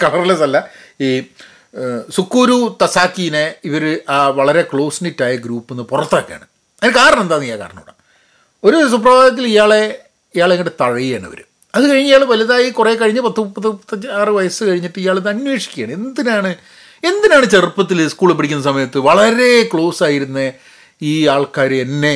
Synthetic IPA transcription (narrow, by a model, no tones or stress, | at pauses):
kɐɭɐrlesɐlːɐiː | sukːuːɾut̪ɐsaːkːijineiʋɐɾɨʔaːʋɐɭɐɾe̞kɭo̞ːsinitːaːjɐɡɾuːpːenːɨpurɐt̪ːoːkːeja̰ːɳɨ | ɐðinkaːɾɐɳɐmend̪aːnːijaːka̰ːɾɐɳɐ̰muɳːɐ̰ | o̞ɾus̬up̬rɐbʱaːɡɐt̪̬ːilijaːɭe̞ | ijaːɭeŋːɡiɽet̪ɐɻɐjijaːɳɨ̰ʋɐ̰ɾṵ | ɐðɨkɐɻiɲːijaːɭʋɐljɐðaːjikureːkɐɻiɲːɨpɐt̪ːupːɐtːit̪ːɐaːrɨʋɐjɐsɨkɐɻiɲːipːɨijaːɭeðɨɐnwe̞ːʂi̥kʲːa̰ːɳe̞nd̪inaːɳɨ | e̞nd̪inaːɳɨt͡ɕe̞rpːɐt̪̬ːilskuːɭpːiɽik̬ʲːunːɐsɐmɐjɐt̪ːɨʋɐɭɐɾe̞kɭo̞ːsaːjiɾunːɐ | iːaːɭkaːɾenːe̞